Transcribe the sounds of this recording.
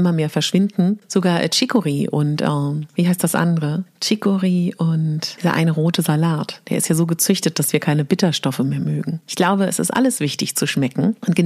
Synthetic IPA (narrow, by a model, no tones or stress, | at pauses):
ɪmɐmeːɐfɛɐʃv̥ɪndn̩z̥oɡaːɐʔɛ̰t͡ʃɪkoʁiːʔʊ̰ntʔɛːviːɦaɪstd̥asʔa̰ndəʁət͡ʃɪkoʁiːʔʊntiːzɐ̰ʔa̰ɪnəʁoːtʰəzalaːtd̥eːɐɪstjaːzoːɡət͡sʏçtət̚d̥asv̥iːɐkʰaɪnəbɪtɐʃtɔfəmeːɐmøːɡŋ̩ɪçɡ̥laʊbəɛsɪ̰stʔa̰ləsv̥ɪçtɪçt͡suʃmɛkŋ̩ʔʊntɡ̥ə